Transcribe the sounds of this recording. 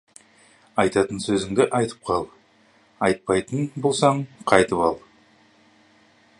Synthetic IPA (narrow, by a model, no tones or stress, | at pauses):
ɑjt̪ɑt̪ənsɵzɪŋd̪ɪʔɑjt̪ʰə̥p̚qʰɑlˠ | ɑjt̪̚pɑjt̪ənbo̞lˠsɑɴqʰɑjt̪əpɑlˠ